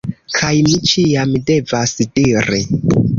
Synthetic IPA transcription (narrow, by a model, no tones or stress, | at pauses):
kʰajmit͡ʃiamde̞vasdiɾi